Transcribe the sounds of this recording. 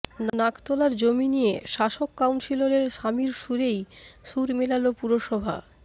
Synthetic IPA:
nnakt̪ɔlaɾd͡ʑominijeʃaʃokːawnsiloɾeɾʃamiɾʃuɾejʃuɾmelalopuɾoʃɔbʱa̰

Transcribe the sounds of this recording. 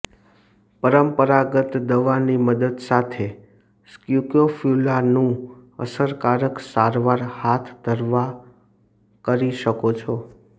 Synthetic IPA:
pəɾəmpəɾaɡət̪d̪əʋaniməd̪əd̪sat̪ʰe | skjukjofʰjulanũə̰səɾkaɾəksaɾʋaɾhat̪ʰd̪ʱəɾʋa | kəɾiʃəkot͡ʃʰɔ

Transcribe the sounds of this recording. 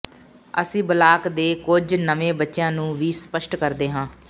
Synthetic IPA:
ə̰sĩːbəlaːkd̪eːkʊd͡ʒnəʋẽːbətːʃjãːnũːʋiːspəʃʈkəɾd̪eːɦãː

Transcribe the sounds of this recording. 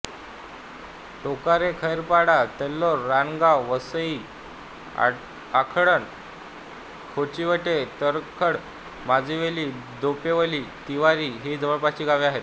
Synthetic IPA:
ʈokaɾekʰəjɾpaɽat̪elːoɾːanɡawʋəsəi | akʰɽən | kʰot͡ɕiʋəʈet̪əɾkʰəɽ | mad͡ʑʱiʋeliːd̪opeʋəliːt̪iʋaɾiɦid͡zəʋəɭpat͡ɕiːɡaʋiaɦet̪

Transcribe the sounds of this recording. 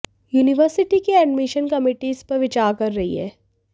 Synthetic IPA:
juːnɪʋəɾsɪʈikiɛːɖmɪʃənkɐmɪːʈizpɐɾʋɪt͡ʃaːɾkɐɾːɐɦḭɦɛ̰ː

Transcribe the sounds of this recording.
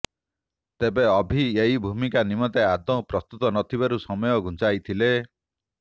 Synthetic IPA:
t̪ebeɔbʱieɦibʱumikanimɔt̪ead̪ɔ̃pɾɔst̪ut̪ɔnɔt̪ʰibaɾusɔmɔjɔɡʱũnt͡ʃajt̪ʰile

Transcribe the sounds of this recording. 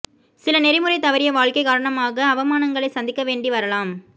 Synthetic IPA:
sɪlɐnɛɾɪmɯɾɐɪt̪ɐʋɐɾɪjɐʋaːɭkɐɪkaːɾɐɳɐmaːɣɐːʋɐmaːnɐŋɡɐɭɐɪsɐnd̪ɪkːɐʋeːɳɖiʋɐɾɐlaːm

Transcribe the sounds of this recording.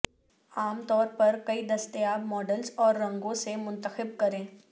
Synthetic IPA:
aːmt̪ɔːɾpɐɾkɐid̪ɐst̪əjaːbmɔːɖəlzɔːɾːɐ̃ŋɡõsemʊ̃nt̪əxɪb̚kɐɾẽː

